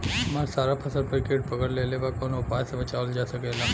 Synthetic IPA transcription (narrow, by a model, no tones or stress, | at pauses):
ɐmaːɾsaːɾapʰɐsəɾpəɾkeʈ̚pəɡəɽlelebakonʊpaːjsebət͡ʃaːʋəld͡ʒaːsəkela